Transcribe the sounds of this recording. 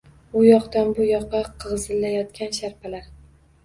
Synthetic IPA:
ʊjɒqt̪anbʊjɒqːɑqʰɨʁzɪlːajɒt̪kʲanʃaɾpʰalaɾ

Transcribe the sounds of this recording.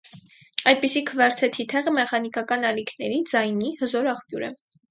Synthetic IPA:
ɑjd̪̚pisikʰəvɑɾt͡sʰɛt̪ʰit̪ʰɛʁəmɛχɑnikɑkɑnɑlikʰnɛɾid͡zɑjnihəzɔɾɑχpjuɾɛ̰

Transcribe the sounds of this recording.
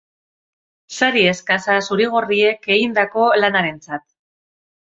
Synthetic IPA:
saɾie̞skasasuɾiɣ̞orie̞ke̞ɣind̪ako̞lanaɾe̞nt͡sat̪̚

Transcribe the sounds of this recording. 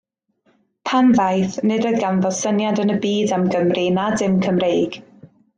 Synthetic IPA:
pʰanvajθnɨdɔɨðɡanvɔsənjadənəbiːdamɡəmrinadɪmkʰəmrejɡ̥

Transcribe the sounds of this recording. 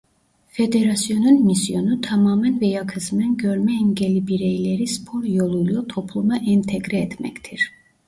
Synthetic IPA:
fed̪eɾasjo̞nunmisjo̞nut̪ʰamaːmænvɛjakʰɯsmɛnɟøɾmɛimɟelʲibiɾejlʲeɾispʰo̞ɾjolˠujlˠut̪ʰopʰlˠumaʔint̪ʰeɡɾiɛt̪mɛ̰ct̪ʰiɾ̥

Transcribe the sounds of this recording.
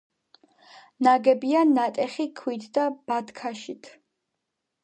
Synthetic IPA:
naɡɛbianːat̪ʼɛχikʰwit̪ʰd̪ab̥ad̪kʰaʃit̪ʰ

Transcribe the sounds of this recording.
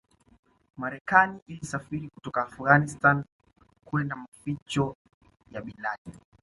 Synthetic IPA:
maɾɛkaniʔilisafiɾikutɔkaːfuɣanistan | kuɛndamafit͡ʃɔ | jaɓilaɗi

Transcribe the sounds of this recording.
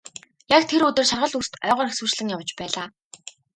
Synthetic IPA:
jakt̪ʰeɾɵt̪ɵ̆rʃarʁə̆ɮust̪œːʁɔːrxexswuːt͡ɕɮɘ̆ŋjaw̆t͡ɕpæːɮaː

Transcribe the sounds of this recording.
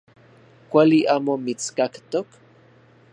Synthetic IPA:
kʷaliʔaːmomit͡skakt̪ok

